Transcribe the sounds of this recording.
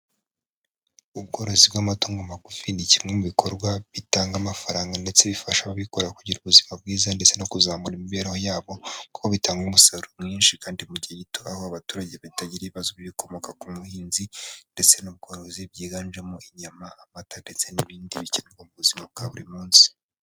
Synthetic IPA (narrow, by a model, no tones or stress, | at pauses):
ub̚ɡo̞ɾo̞zibɡamatoːŋɡomakufinicimŋe̞muβikʰo̞ɾɡwaβitaːŋɡamafaɾaːŋɡande̞t͡se̞βifaʃaβaβikoɾakuɟiɾuβuzimabɡiːzande̞t͡se̞no̞kuzaːmuɾimiβeɾehojaːβo̞ku̥koβitʰaːŋɡumusaɾumŋiːnʃikaːndimuɟaɟitoahoaβatuːɾaɟeβaitaɟiɾiβiβazoββiko̞mo̞kakumuhiːnzinde̞t͡se̞nub̚ɡo̞ɾo̞zibɟiːɡaːnʒemoʔiɲamaamatandet͡seniβiːndiβiceneɡomuβuzimab̚ɡaβuɾimuːnsi̥